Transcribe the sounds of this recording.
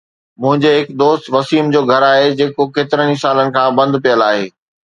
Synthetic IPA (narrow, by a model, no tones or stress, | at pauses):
mʊ̃ɦɪ̃ɲd͡ʑeɦɪkd̪oːst̪ʋɐsiːmd͡ʑoːɡʱɐɾaːɦed͡ʑeːkokeːt̪ɪɾənisaːlənɪ̆kʰãːbɐ̃nd̪pijəlaːɦeː